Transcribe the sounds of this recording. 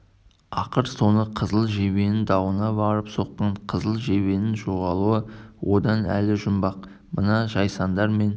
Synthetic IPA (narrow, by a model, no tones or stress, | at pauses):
ɑqəɾso̞nəqʰəzəlˠʒe̞βe̞nɪnd̪ɑwənɑbɑɾəpso̞qːɑɴqʰəzəlˠʒe̞βe̞nɪnʒo̞ʁɑlˠuəwo̞d̪ɑnæ̰lɪʒʊmbɑq̚ | mənɑʒɑjsɑnd̪ɑɾme̞n